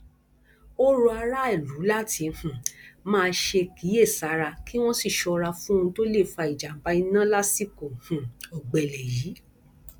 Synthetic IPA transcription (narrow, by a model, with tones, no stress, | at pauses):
o˦ɾu˧a˧ɾa˦ɛ˦˨lu˨˦la˦ti˧˨hũ˨mãː˦˧ʃe˧ki˨˦e˦˨sa˨˦ɾa˧ki˦w̃ɔ̃˦si˦˨ʃɔ˧ɾa˧fũ˦ũ˧˦to˦le˦˨fa˧i˨d͡ʒa˨m̩˨ba˨˦i˧nã˦la˦si˦ko˨hũ˨ɔ˨ɡ͡bɛ˨lɛ˨ji˨˦